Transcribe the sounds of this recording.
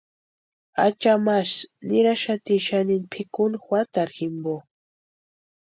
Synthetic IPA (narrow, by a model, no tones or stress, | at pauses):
a̰t͡ʃamaʃnɪɾaʃat̪iʃaninpʰɪkʊnxwat̪aɾxɪmbo